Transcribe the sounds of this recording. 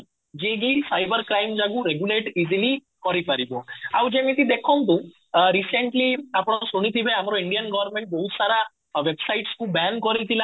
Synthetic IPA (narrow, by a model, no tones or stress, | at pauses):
d͡ʒẽɡifajbəɾkɾajmd͡ʒaɡũɾeɡjuleʈizili | kɔɾipaɾiboawd͡ʒemĩt̪id̪ekʰɔm̃t̪̬ũ | ɾiseɳʈliapɽ̃ɔsuɽ̃it̪ʰibeamɾoiɳɖijənɡɔʋəɾmẽɳʈ̚bɔɦut̪saɾa | ʋebsajʈskũbɛnkɔɾit̪ʰila